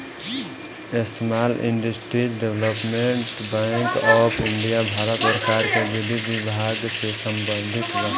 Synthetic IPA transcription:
esmalʔḭɳɖəsʈɾid͡ʒɖeʋləpmeɳʈbaɪŋkɔpʰiɳɖijabʱaɾət̪pəɾəkaɾkebid̪ibibʱaɡsesəmbə̃nd̪ʱit̪ɾə̃

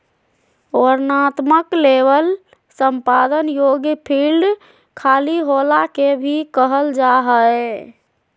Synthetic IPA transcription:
ɔɾnat̪məkleʋəl | səmpad̪ənjoɡpʰilɖ | kʰaliɦolakebʱikəɦəld͡ʒaɦə

